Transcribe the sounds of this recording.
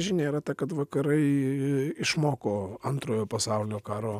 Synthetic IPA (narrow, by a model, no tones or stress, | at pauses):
ʒʲɪnʲeːiɾɐt̪ɐkɐt̪ʋɐkɐɾɐɪ | ɪʃmoːkoːɐnt̪ɾoːjoːpɐsɑʊlʲɪnʲoːkɑːɾoː